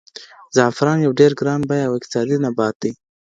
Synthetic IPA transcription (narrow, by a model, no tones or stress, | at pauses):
zɑfɪɾɑːnjawɖeɾɡɾɑnbajawɪk̚t̪ɪ̥sɑd̪inabɑt̪̚d̪i